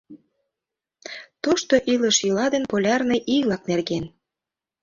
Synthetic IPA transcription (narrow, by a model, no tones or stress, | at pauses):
t̪oʃt̪oʔilə̆ʃjylɑd̪enpolʲɑrneʔilɑknerɣen